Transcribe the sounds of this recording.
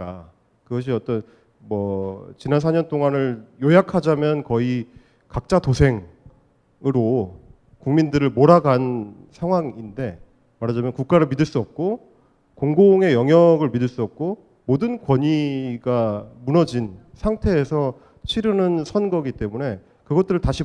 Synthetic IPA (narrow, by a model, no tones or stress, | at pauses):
ka | kɯɡʌɕ̬ʰiʌt͈ʌn | mʌt͡ɕinansʰaɲʌnt͈oŋanɯɭjojakʰad͡ʑamjʌnkʌi | kak̚t͡ɕ͈atosʰe̞ŋ | ɯɾo | kuŋmindɯɾɯɭmoɾaɡan | sʰaŋɦwaŋinde̞ | maɾad͡ʑamjʌnkuk͈̚aɾɯɭmidɯɭs͈uʌp̚k͈o | koŋɡoŋe̞jʌŋjʌɡɯɭmidɯɭs͈uʌp̚k͈o | modɯnkwʌɲiɡamunʌd͡ʑinsʰaŋtʰe̞ːsʰʌ | t͡ɕʰiɾɯnɯnsʰʌnɡʌɡit͈e̞mune̞ | kɯɡʌt͈̚ɯɾɯɭtaɕʰi